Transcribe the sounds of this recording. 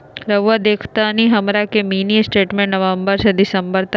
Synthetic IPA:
ɾəʋʋad̪eːkʰt̪aniɦəmɾakemiːnisʈeːʈmẽɳnəʋəmbəɾsɐd̪isəmbəɾt̪

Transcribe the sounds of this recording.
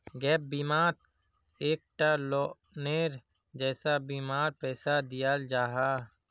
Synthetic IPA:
ɡɛːp̚biːmaːɾ | eːk̚ʈaloː | neːɾ | d͡ʒɛːsabiːmaːɾpɛːsad̪ijald͡ʒaːɦaː

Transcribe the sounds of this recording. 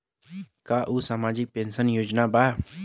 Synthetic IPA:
kaːʔuːsaːmaːd͡ʒɪk̚peːnsənjoːd͡ʒnaːbaː

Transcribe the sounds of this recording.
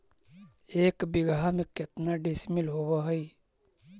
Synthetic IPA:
eːkbɪɡamẽkɪt̪naɖɪsmɪlɦoːwaɦəi

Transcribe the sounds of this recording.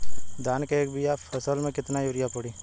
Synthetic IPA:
d̪aːnkeeːkbijapʰɐsəlmẽkɪt̪najuɾɪjapɐɽiː

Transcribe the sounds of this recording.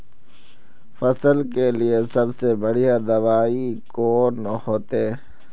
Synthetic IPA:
fɐsəlkeliesɐbsebɐɽijad̪ɐʋaːikoːnhoːt̪e

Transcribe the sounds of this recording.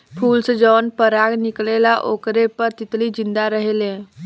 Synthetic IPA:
pʰuːlsed͡ʒɔːnpəɾaɡniklelaʔokɾepəɾt̪it̪lid͡ʒind̪aɾəɦelẽ

